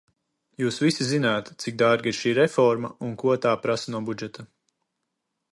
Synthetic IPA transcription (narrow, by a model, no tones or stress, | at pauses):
juːsvisizinaːt̪t̪sik̚d̪aɾɡiɾʃiːɾɛfɔɾmaunkuɔt̪aːpɾasɐnuɔbud͡ʒɛt̪a